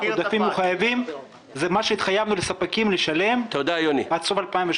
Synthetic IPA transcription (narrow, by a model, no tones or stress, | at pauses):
od̪afimuχajavim | zemaʃeit̪χajavnulesapakimleʃale̞mt̪od̪ajonibat͡sovalpaimve